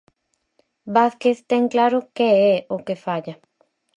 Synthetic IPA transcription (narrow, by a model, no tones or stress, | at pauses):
baθkeθt̪ɛŋklaɾʊkeɛʊkefaʎɐ